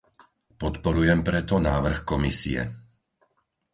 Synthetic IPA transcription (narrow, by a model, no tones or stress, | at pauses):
pɔt̪pɔɾujɛmpɾɛt̪ɔnaːʋr̩xkɔmisḭɛ̰